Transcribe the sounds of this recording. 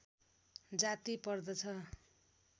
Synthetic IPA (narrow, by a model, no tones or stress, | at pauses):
d͡zat̪ipʌrd̪ʌt͡sʰʌ